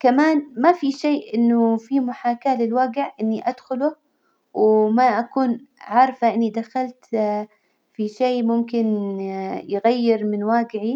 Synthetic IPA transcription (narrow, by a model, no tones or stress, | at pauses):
kamaːnmafiʃeːʔɪnːʊfimʊħaːkaːlɪlwaːɡɪʕʔɪnːiʔad̪xʊlʊ | wmaʔakuːnʕɑɾˤfaʔɪnːid̪axalt̪ | fiʃeːmʊmkɪn | jɪɣajːɪɾmɪnwaːɡɪʕi